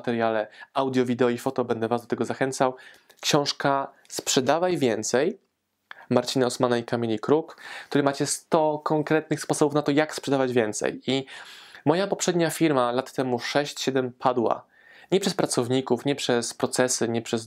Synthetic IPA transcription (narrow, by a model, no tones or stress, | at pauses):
t̪ɛɾjalɛawd̪ʲjɔvʲid̪ɛɔifɔt̪ɔbɛnd̪ɛvazd̪ɔt̪ɛɡɔzaxɛnt̪saw | kɕɔ̃w̃ʂka | spʂɛd̪avajvʲjɛnt̪sɛj | maɾt͡ɕinaɔsmanaikamʲelʲikɾukkt̪uɾɘmat͡ɕɛst̪ɔkɔŋkɾɛt̪̚nɘxspɔsɔbufnat̪ɔjakspʂɛd̪avad͡ʑvʲjɛnt̪sɛ̰jimɔjapɔpʂɛd̪̚ɲafʲiɾmalat̪ːɛmuʂɛɕt͡ɕɕɛd̪ɛmpʰad̪wa̰ | ɲɛpʂɛspɾat̪sɔvɲikufɲɛpʂɛspɾɔt̪sɛsɘɲɛpʂɛs